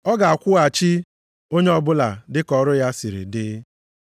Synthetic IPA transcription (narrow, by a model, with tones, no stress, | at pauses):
ɔ˦ɡa˨a˨kʷʊ˦a˨t͡ʃi˦ | o˦ɲe˦ɔ˨bʊ˦la̰˨dɪ˦kɔ˨ɾʊ˦ja˦si˨ɾḭ˨dɪ˦